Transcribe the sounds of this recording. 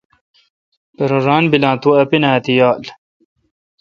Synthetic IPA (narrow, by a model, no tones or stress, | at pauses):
peɾɐɾaːnbilãːt̪uɐpinaːt̪ijaːl